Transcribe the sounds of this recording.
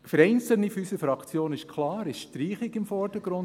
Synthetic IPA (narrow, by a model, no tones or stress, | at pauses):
fəɾɛɪnt͡səl̩nifysəfɾɑkt͡sjoːnɪʃkʰlɑːɾɪʃʃtɾiːχɪɡɪmfɔɾd̥əɡɾʊn